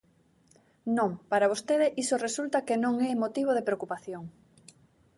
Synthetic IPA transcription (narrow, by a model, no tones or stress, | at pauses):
nõŋpaɾaβ̞ost̪eðeʔisoresult̪ɐkenõŋɛmot̪iβ̞oð̞epɾeokupaθjoŋ